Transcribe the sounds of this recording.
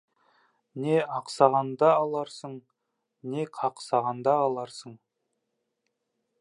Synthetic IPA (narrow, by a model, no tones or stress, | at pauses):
ne̞ɑqsɑʁɑnd̪ɑːlˠɑɾsəɴ | ne̞qʰɑqsɑʁɑnd̪ɑːlˠɑɾsəɴ